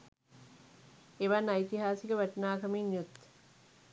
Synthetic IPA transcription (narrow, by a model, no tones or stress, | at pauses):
eʋanːɐit̪iɦaːsiɡeʋɐʈɐnaːkɐminjut̪ː